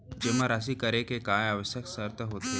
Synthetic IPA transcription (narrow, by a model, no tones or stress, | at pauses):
d͡ʒemaɾas̬ikəɾekekaːjaːʋəʃjəksəɾt̪əɦoːt̪e